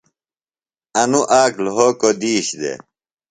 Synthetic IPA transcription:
ɐnuʔaːklɦoːkod̪iːɕd̪ḛ

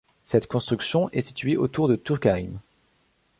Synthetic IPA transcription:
sɛt̪kɔ̃st̪χyksjɔ̃ʔɛsi̥t̪ɥeʔot̪uʁd̪ət̪uʁkaʁim

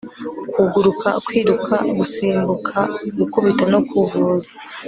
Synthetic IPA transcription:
kuɡuɾukʰakwiːɾukʰa̰ɡusiːmbukʰaɡukuβitanokuvuːzḁ

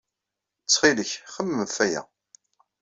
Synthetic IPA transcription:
t͡sːχiləçχəmːəθæjæ̰

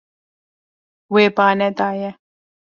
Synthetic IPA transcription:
weːpaːnɛt̪aːjɛ

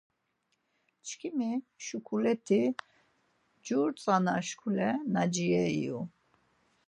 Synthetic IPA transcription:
t͡ʃʰkʰimiʃukʰulɛt̪ʰi | d͡ʒuɾt͡sʼanaʃkʰulɛnad͡ʒiɛḭjṵ

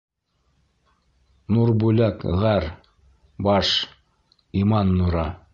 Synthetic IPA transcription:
nuɾbʉlækʁæɾ | bɑʃ | imɑnːuɾɑ

